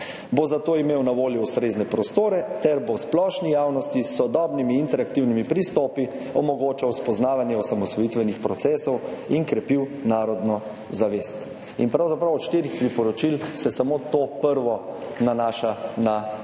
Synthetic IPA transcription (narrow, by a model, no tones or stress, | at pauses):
bozat̪oːimeːwnaʋoːljɔust̪ɾeːznɛpɾɔst̪oːɾɛt̪ɛɾbosplɔʃnijaːwnɔst̪isːɔd̪ɔːbnimiːnt̪ɛɾak̚t̪iwnimipɾist̪ɔːpi | ɔmɔɡoːt͡ʃawspɔznaːʋanjɛɔsamɔsʋɔjit̪ʋɛnixpɾɔt̪sɛːsɔwinkɾɛpiwnaːɾɔd̪nɔ | zaʋest̪ | ḭnpɾawzapɾawɔt̪ʃt̪eːɾixpɾipɔɾɔt͡ʃilsɛsamot̪opəɾʋɔnanaːʃana